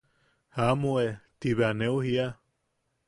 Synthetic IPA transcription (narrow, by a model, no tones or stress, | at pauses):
hamoet̪iβeaneuhia